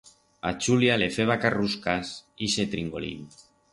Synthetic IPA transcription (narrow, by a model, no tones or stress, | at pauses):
at͡ʃuljalefeβakaruskasiset̪ɾiŋɡo̰lḭn